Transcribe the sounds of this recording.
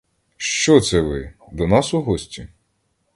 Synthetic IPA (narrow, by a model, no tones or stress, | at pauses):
ʃt͡ʃɔt̪sɛʋɪ | d̪ɔnɑsʊɦɔsʲtʲi